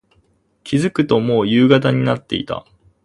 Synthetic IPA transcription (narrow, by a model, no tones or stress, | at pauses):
kʲʰizɨkɯ̟t̪o̞mo̞ːjɯːɡat̪̬aɲ̟inat̪ːe̞̰ḭt̪a̰